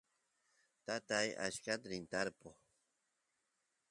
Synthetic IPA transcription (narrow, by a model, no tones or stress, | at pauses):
t̪at̪aja̰ʃkat̪ɾint̪aɾpo